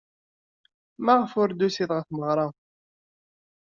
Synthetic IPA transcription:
mæʁfʊɾd̪usiðʁəθməʁɾˤɑ

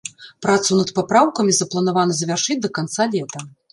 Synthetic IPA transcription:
pɾat̪sunɐt̪papɾawkɐmʲizɐplˠɐnavanɐzɐvʲarʂɨd͡zʲd̪ɐkant̪salʲɛt̪ɐ

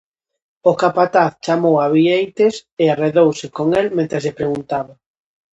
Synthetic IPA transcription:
okapat̪aθt͡ʃamowaβiejt̪eseareðowsɪkoŋɛlmẽnt̪ɾeslepɾeɣunt̪aβa

